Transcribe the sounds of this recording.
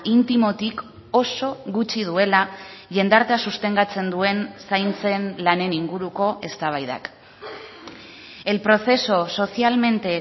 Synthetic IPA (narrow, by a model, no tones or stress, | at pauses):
int̪imo̞t̪ik | o̞so̞ɣut͡ʃið̞ue̞laʝe̞nd̪aɾt̪easust̪e̞ŋɡat͡se̞nd̪ue̞nsajnt͡se̞nlane̞niŋɡuɾuko̞ʔe̞st̪aβ̞ajða̰k | e̞lpɾo̞θe̞so̞so̞sialme̞nt̪e̞